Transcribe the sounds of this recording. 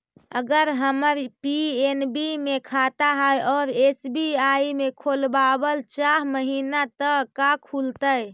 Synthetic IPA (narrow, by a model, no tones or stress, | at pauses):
əɡəɾɦəməɾpienbimekʰat̪aɦəjɔɾesbiaimekʰolbabəlt͡ʃaɦməɦinat̪əkakʰult̪əj